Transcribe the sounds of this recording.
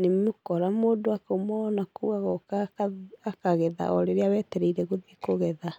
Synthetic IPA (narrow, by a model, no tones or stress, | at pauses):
nemokɔɾamoːdoakomɔnakuɣaɣɔkaaakaɣɛða̰ʔɔɾeɾeawɛːtɛɾeiɾɛɣoðekoɣɛða